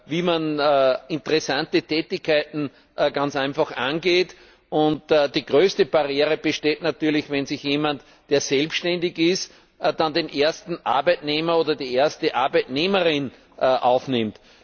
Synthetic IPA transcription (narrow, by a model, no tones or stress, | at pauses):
viːmanːɪ̃ntəʁɛsãntətʰɛːtɪçkʰːaɪtn̩ | ɡ̥ant͡sæɪnfaxʔãnɡeːt | ʔʊntːd̥iːɡʁøːstəb̥aʁjeːʁəb̥əʃteːtnatyːɐlɪçvɛnsɪçjeːmant | d̥eːɐzɛlpʃtɛndɪçɪst | d̥andeːnʔeɐstn̩ʔa̰ɐbæɪtneːmɐoːdɐdiːʔeːɐstəʔaɐbæɪtneːməʁɪn | ʔʔa̰ʊfnɪmt